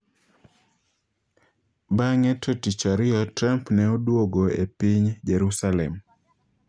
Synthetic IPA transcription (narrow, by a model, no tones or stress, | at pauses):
baŋɛtʰotit͡ʃaɾɪɔtɾampnɛodwoɡoepiɲd͡ʒeɾusalɛm